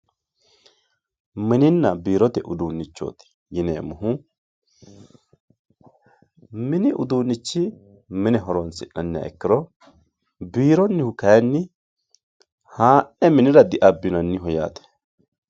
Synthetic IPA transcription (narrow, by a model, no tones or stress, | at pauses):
mɪnɪnːɐbiːɾɔt̪ɛʔʊd̪uːnːɪt͡ʃːo̰ːt̪ɪ̥ | jɪneːmʊɦʊ | mɪnɪʔʊ̰d̪uːnːɪt͡ʃːɪ | mɪnɛɦɔɾɔnsɪʔɐnːɪa̰ːʔɛ̰kːɪɾɔ | biːɾɔnːɪhʊkɐjɐnːɪ | haːʔɛmɪnɪɾɐd̪ɪʔɐbːɪnɐnːɪɦɔja̰ːt̪ɛ̥